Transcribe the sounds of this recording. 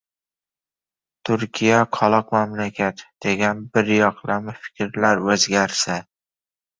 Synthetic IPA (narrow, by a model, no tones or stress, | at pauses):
t̪ʰʊɾkʲʰijaqʰɒlˠɒqmamlakʲʰat̪d̪̥e̞ɡʲanbɪɾjɒqʰlamɪfɪ̥kʲɾlaɾɵzɡʲaɾsa